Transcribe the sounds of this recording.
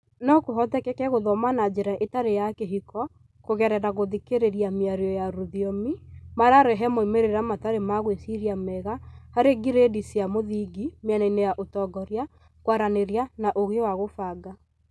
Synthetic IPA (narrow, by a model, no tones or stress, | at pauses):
nɔkoɦɔtɛkɛkɛɣoðɔmanad͡ʑeɾaʔetaɾejakeɦikɔ | koɣɛɾɛɾaɣoðikeɾeɾjamiaɾjɔjaɾuðiɔmimaɾaɾɛɦɛmoimeɾeɾamataɾemaɣwesiɾjamɛɣahaɾeɡiɾedisiamoðiɡimjanainejaʔotɔɡɔɾja | kwaɾaneɾjanaʔoɣewaɣofaːɡa